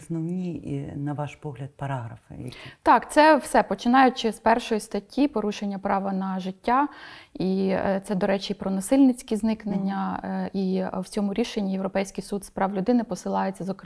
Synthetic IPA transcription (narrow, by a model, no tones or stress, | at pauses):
snɔwnʲinɐʋɑʃpɔɦlʲɐd̪̚pɐɾɑɦɾɐfɪ̰t̪ɑkt̪sɛwsɛpɔt͡ʃɪnɑjʊt͡ʃɪspɛrʃɔjist̪ɐtʲːipɔɾuʃenʲːɐpɾɑʋɐnɐʒɪtʲːait̪sɛd̪ɔɾɛt͡ʃiipɾɔnɐsɪlʲnɪt͡sʲkʲiznɪknenʲːɐiwt͡sʲɔmʊɾʲiʃe̞nʲːijewɾɔpɛjsʲkɪjsud̪spɾɑwlʲʊd̪ɪnɪpɔsɪlˠɑjet͡sʲːɐzɔk